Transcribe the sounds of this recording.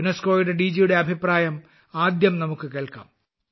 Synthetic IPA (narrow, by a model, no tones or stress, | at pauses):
unɐskoːjuɽeɖid͡ʑijuɽe̞ɐbʱipraːjɐm | aːd̪jɐmnɐmukːɨkeːɭka̰ːm